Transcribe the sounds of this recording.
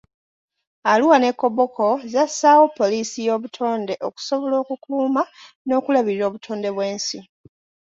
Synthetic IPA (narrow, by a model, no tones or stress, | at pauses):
aluwane̞kːo̞βokʰo̞zasaːwo̞pːo̞liːsijo̞ːβutʰo̞ːnde̞ʔo̞ku̥so̞βo̞lo̞ːkukuːma | no̞ːkulaβiɾiɾo̞ːβutʰo̞ːnde̞βwe̞ːnsi